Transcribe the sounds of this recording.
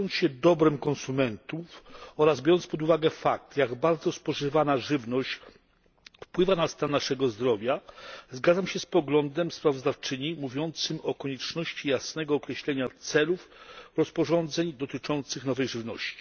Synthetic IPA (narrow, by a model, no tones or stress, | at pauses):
ɔnt̪sɕɛd̪ɔbɾɛmkɔ̃nsumɛnt̪ufɔɾazbʲjɔɾɔnt̪spɔd̪uvaɡɛfak̚t̪jaɡbaɾd̪zɔspɔʐɘvanaʐɘvnɔɕt͡ɕ | fpwɘvanast̪anːaʂɛɡɔzd̪ɾɔvʲjazɡad̪zamɕɛspɔɡlɔnd̪ɛmspɾavɔzd̪aft͡ʂɘɲimuvʲjɔnt̪sɘmɔkɔɲɛt͡ʂnɔɕt͡ɕijasnɛɡɔːkɾɛɕlɛɲat̪sɛlufɾɔspɔʐɔnd̪zɛɲd̪ɔt̪ɘt͡ʂɔnt̪sɘxnɔvɛjʐɘvnɔɕt͡ɕi̥